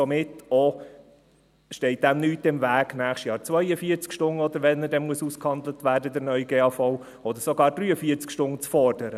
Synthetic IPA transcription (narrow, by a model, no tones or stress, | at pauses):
sɔmɪtɔ | ʃtɛɪt̚d̥æmnyːtɪmvæːɡ̥næːχʃtjɑːɾt͡sʋœʏəfiːəɾt͡skʃtʊnɔd̪əɾʋɛnədɛmuəsuskhɑnd̪lətʋæːdədəɾnœʏɡeːɑːfɔʊ | ɔd̪əɾsɔɡɑːɾd̥ɾyːəfiːəɾt͡skʃtʊnt͡sfɔrd̥əɾə